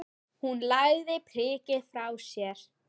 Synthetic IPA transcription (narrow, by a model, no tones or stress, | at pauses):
hunlaɣðɪpʰɾ̥ɪːcɪðfɾawsjɛɾ̥